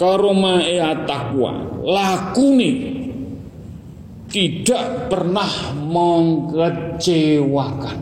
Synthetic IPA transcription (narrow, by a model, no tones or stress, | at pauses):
kaɾomaeat̪akua̰lakune | t̪iɖ̥aʔpərnahməŋkət͡ʃewakan